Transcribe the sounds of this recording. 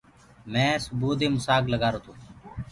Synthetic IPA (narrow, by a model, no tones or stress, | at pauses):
mɛ̃ːsʊbuːd̪eːmʊsaːɡləɡaːɾoːt̪ʰũː